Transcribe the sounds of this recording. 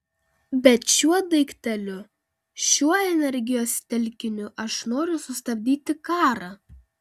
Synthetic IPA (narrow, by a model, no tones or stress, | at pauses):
bʲɛt̪ʃʲuɔd̪ɐɪkt̪ʲɛlʲʊ | ʃʲuɔɛnʲɛɾʲɡʲɪjoːst̪ʲɛlʲkʲɪnʲʊʔɐʃnoːɾʲʊsʊst̪ɐbʲd̪ʲiːt̪ʲɪkɑːɾɑ